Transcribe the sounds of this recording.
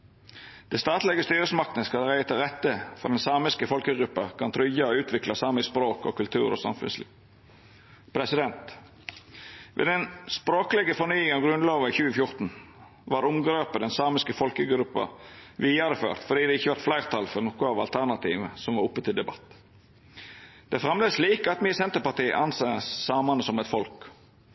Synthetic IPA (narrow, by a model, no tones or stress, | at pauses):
d̪̥ɛst̪ɑːt̪lɛɡəst̪yːɾəsmɑk̚t̪nəskɑld̪ɛɾæɪt̪ʰɪlɾɛt̪ːəfɔɖ̪ɛnsɑːmɪskəfɔlkəɡɾʉpːɑkʰɑnt̪ʰɾʏjɑɔʉːt̪ʰʋɪklɑsɑːməɪspɾoːkɔkʉlt̪ʰʉ̰ːɾɔ̰sɑ̰mfʉ̰nslḭːʋ | pʰɾɛsɪd̪ɛnt̪ | ʋʔḛːd̪ɛnspɾoːkəlɛɡəfɔnyːɪŋɑʋɡɾʉnloːʋəɪçʉːəfjʊʁt̪n̩ | ʋɑɾʊmɡɾeːpəd̪ɛnsɑːmɪskəfɔlkəɡɾʉpːɑ̰ʋiːɑɾəfø̰ːɾt̪fɔɖ̪iːd̪ɛɪçːəʋɑɾt̪flæɪɾt̪ʰɑlfɔɾnɔkʊɑʋɑlt̪ʰæʁnɑt̪ʰḭːʋəsɔmʋɑɾʊpːət̪ʰɪld̪ɛbɑt̪ː | d̪̥ɛfɾɛmləsliːkɑt̪miːəsɛnt̪əpɑt̪iːə̰ʔɑnseːəsːɑːmɑnəsɔmɛt̪fɔlk